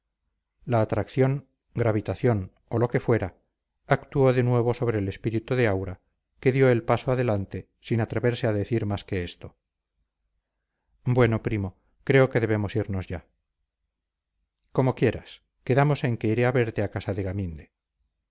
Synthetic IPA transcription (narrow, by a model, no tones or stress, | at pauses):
laːt̪ɾakθjo̞ŋ | ɡɾaβit̪aθjo̞n | o̞lo̞ke̞fwe̞ɾaː | kt̪uo̞ðe̞nwe̞β̞o̞so̞β̞ɾe̞ːle̞spiɾit̪uðe̞awɾa | ke̞ðjo̞e̞lpasoaðe̞lant̪e̞ | sinat̪ɾe̞βe̞ɾse̞aðe̞θiɾmaske̞est̪o̞ | bwe̞no̞pɾimo̞ | kɾe̞oke̞ðe̞β̞e̞mo̞siɾno̞zʝa | ko̞mo̞kje̞ɾa̰s | keðamo̞se̞ŋke̞iɾeaβe̞ɾt̪e̞akasaðe̞ɣamind̪e̞